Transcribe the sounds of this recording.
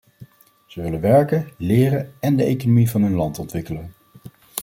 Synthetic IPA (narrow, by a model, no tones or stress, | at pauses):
z̥əʋɪlənʋɛɹkəlɪːrənɛndəejkonomivɑnɦɵnlɑntɔntʋɪkələn